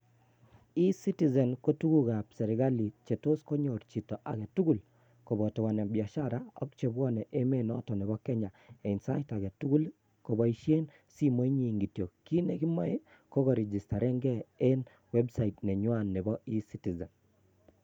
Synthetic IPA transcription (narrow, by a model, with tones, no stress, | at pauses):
i˦si˦ti˦zɛ˨nko˦tu˦ɡu˦ɡa˨psɛ˨ɾɪ˨ɡa˦li˨t͡ʃe˨to˦sko˦ɲo˨ɾt͡ʃi˨tɔ˨ʔa˨ɡe˨tu˦ɡu˨l | ko˨bɔ˨tɔ˨wɔ˨nɛ˨bja˨ʃa˦ɾa˦ɔ̰˦kt͡ʃe˨bwɔ˦nɛ˨ʔe˦me˦nɔ̰˦tɔ˨nɛ˨bɔ˦kɛ˦ɲa˨e˨i˨nsa˦ɪ˦ta˨ɡe˨tu˦ɡu˦l | ko˨bɔ˨i˦ʃje˦n | si˦mo˦i˦ɲi˨ŋɡi˨tjo˨ki˦ne˨ɡɪ˦ma˦˨e˦ | ko˦ɡɔ˨ɾɛ˨d͡ʒi˨sta˨ɾɛ˦ŋɡɛ˦e˦n | wɛ˦bsa˨i˨tnɛ˨ɲwa˨nːe˨bɔ˦i˦si˦ti˨zɛ˨n